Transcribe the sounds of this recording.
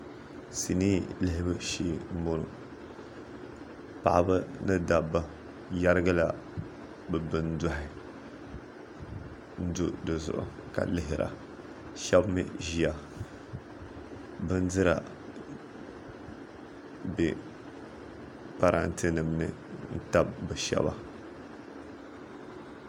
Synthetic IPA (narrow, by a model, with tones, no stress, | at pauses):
si˨niː˦lɪ˦ɦɪ˦bɨ˦ʃiː˦˨m̩˦bo˦nʊ̰˨ | pa̰˨ʔa̰˦bɨ˦nɨ˦da˨ba˦ | ja˦ɾɨ˦ɡa˦la˦ | bɨ˨bɨ˦n˦dʊ˦ɦɪ˦ | n̩˦dʊ˦dɨ˨zʊ̰˨ʔʊ̰˨ka̰˨lɪ˦ɦɪ˨ɾa̰˨ | ʃa˦bmɨ˦ʒi˨a˨ | bɨ˦n˦dɨ˦ɾa˨ | be˨ | pa˨ɾa̰˦˨n˦tɪ˦nɨ˨mnɨ̰˨ | n̩˦ta˦b̚bɨ˨ʃa̰˦ba˦